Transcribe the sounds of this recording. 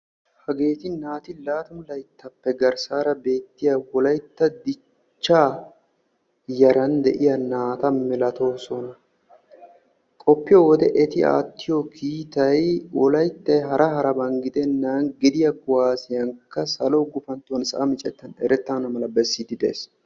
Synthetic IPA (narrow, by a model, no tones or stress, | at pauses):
hɐɡe̞ːt̪ɪnaːt̪ɪlaːt̪ɐmʊlɐjt̪ːɐpːɛɡɐɾsaːɾɐbe̞ːt̪ːɪjɐwɔlɐjt̪ːɐd̪ɪ | t͡ʃːaː | jɐɾɐnd̪ɛʔɪjɐnaːt̪ɐmɪlɐt̪o̞ːsɔnɐ | kʼɔpːɪjowɔd̪ɛʔɛt̪ɪa̰ːt̪ːɪjokʰiːt̪ɐjwɔlɐjt̪ːɐjɦɐɾʔɐhɐɾɐbɐŋɡɪd̪ɛnːaːnɡɪd̪ɪjɐɡʊwaːsɪjɐŋkːɐsɐloːɡʊfɐnt̪ːʊwɐnsɐ̰ʔɐmɪt͡ʃʼɛt̪ːɐnɛɾɛt̪ːɐnɐmɐlɐbɛsːiːd̪ɪd̪ḛːs